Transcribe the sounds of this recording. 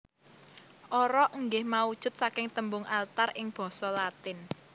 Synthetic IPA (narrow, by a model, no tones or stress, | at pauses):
ʔɔɾɔʔəŋɡɪhmaud̥ʒ̥ʊ̤t̪̚sakɪŋt̪əmbʊŋʔalt̪arʔɪŋb̥ɔ̤sɔlat̪ɪn